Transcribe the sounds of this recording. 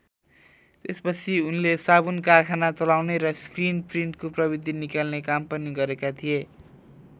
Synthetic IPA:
t̪espʌt͡sʰiunlesabunkarkʰanat͡sʌlawneɾʌskrinpriɳʈkoprʌbid̪ʱinikalnekampʌniɡʌɾekat̪ʰije

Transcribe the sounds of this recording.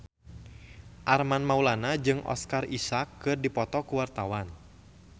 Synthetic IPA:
ʔarmanmaulanad͡ʒɨŋʔɔ̰skarisakːɨrdipɔt̪ɔkuwart̪awan

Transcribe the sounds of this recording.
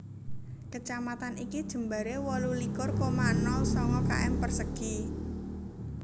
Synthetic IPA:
kət͡ʃamat̪anikid̥ʒ̥ə̤mbaɾewɔlulikʊrkomanɔlsɔŋɔka̰ʔɛmpərsəɡ̥i

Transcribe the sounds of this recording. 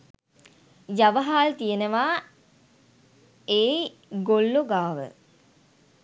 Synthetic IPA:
jaʋəɦaːlt̪ijenəʋaː | eː | ɡolːoɡaːʋə̰

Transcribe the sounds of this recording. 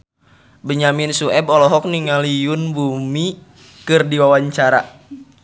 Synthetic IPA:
bəɲaminsuɛbɔlɔɦɔk̚niŋalijunbumi | kɨrdiwawaɲt͡ʃaɾa̰

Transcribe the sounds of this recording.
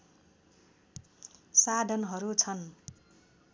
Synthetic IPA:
sad̪ʱʌnɦʌɾut͡sʰʌn

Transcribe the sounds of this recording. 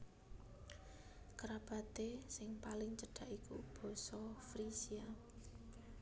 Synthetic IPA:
kɾab̥ä̤t̪esɪŋpalɪŋt͡ʃəɖ̥a̤ʔikṵb̥ɔ̤sɔfɾisia

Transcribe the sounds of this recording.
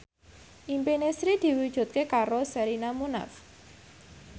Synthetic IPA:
ʔimpenesɾid̪̥i̤wid̥ʒ̥ṳt̪̚kekaɾosɛɾinamuna̰f

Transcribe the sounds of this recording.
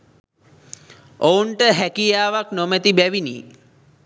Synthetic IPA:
ouɳʈəɦækijaːʋaknomet̪ibæʋiniː

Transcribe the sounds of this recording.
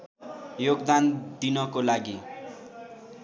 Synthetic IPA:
joɡd̪and̪inʌkolaɡi

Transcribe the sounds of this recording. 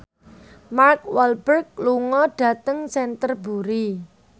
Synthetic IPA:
mark̚walbərk̚luŋɔɖ̥a̤t̪əŋsɛnt̪ərbuɾi

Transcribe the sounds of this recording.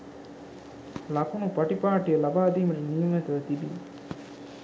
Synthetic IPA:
lakunupaʈipaːʈijəlabaːd̪iːməʈinijuŋæt̪ɐʋət̪ibi

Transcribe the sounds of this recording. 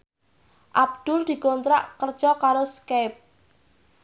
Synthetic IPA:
ʔab̚d̪̥ʊld̪̥i̤kɔnt̪ɾaʔkərd̥ʒ̥ɔkaɾoskap̚

